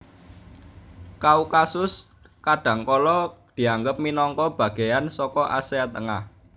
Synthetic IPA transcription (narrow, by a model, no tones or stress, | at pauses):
kaukasʊs | kaɖ̥ä̤ŋkɔlɔd̪̥i̤aŋɡəp̚minɔŋkɔb̥ä̤ɡ̥e̤jansɔkɔʔa̰seat̪əŋah